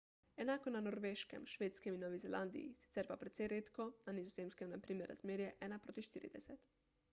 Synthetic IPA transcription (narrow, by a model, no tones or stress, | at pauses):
ɛnaːkɔnanoɾʋeːʃkɛ̰mʃʋeːt̪skɛminɔːʋizɛlʔand̪ḭjḭsi̥t̪sɛːɾpapɾɛt̪sɛjɾeːt̪kɔnanizɔzeːmskɛmnapɾiːmɛɾa̰zmeːɾjɛʔɛːnapɾoːt̪iʃt̪iːɾḭd̪ɛsɛt̪